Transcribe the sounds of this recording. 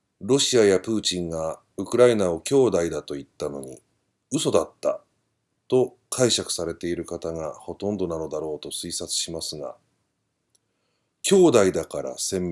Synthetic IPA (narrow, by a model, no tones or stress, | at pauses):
ɾo̞ɕiajapɯ̟ːt͡ɕĩŋɡa | ɯ̟kɯ̟ɾainao̞kʲo̞ːd̪aid̪at̪o̞it̪ːano̞ɲ̟i | ɯ̟so̞d̪at̪ːa | t̪o̞ | kʰaiɕakɯ̟̥saɾe̞t̪e̞iɾɯ̟kat̪aŋaho̞t̪õ̞nd̪o̞nano̞d̪aɾo̞ːt̪o̞sɨisat͡sɨ̥ɕimasɨɡa̰ | kʲo̞ːd̪aid̪akaɾa̰sẽ̞m